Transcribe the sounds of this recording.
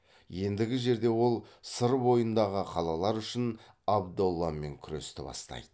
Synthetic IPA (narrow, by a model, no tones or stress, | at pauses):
je̞nd̪ɪɡʲɪʒe̞ɾd̪e̞wo̞lˠsəɾbo̞jənd̪ɑʁəqʰɑlˠɑlˠɑɾʏʃɪn | ɑbd̪olˠːɑme̞̰ŋkʲʰʏɾest̪ɪbɑ̰st̪ɑ̰jd̪̥ə